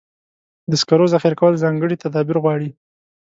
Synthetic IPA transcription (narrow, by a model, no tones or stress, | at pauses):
d̪əskaɾozaxiɾkawəlzɑŋɡəɽit̪ad̪ɑbɪɾɣwɑɽi